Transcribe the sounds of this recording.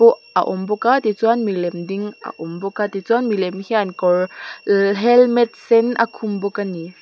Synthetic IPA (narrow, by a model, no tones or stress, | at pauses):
ɔʔa̰ʔɔmbɔkat̪it͡suanmilɛmdiŋʔa̰ʔɔmbɔkat̪it͡suanmilɛmhiankɔr | ɦɛlmɛt̪̚sɛnʔa̰kʰumbɔkani